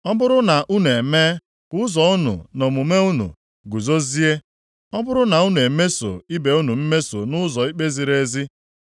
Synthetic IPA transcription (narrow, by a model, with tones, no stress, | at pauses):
ɔ˦bʊ˦ɾʊ˦na˨ʔu˦nu˨e˨me˦ | kʊ˦ʊ˦zɔ˨ʊ˦nṵ˨no˨mu˨me˦u˦nṵ˨ | ɡu˨zo˦zi˦e˦ | ɔ˦bʊ˦ɾʊ˦na˨u˦nu˨e˨me˦so̰˨i˦be˨u˦nu˨m̩˦me˦so˨nʊ˦zɔ˨i˦k͡pe˦zi˨ɾe˦zi˦